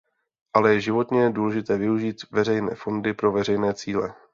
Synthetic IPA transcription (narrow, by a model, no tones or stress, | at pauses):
ʔalɛjɛʒɪvo̞t̪ɲɛduːlɛʒɪt̪ɛːvɪuʒiːt̪vɛr̝ɛjnɛ̰ːfo̞ndɪpɾo̞vɛrɛjnɛːt͡siːlɛ̰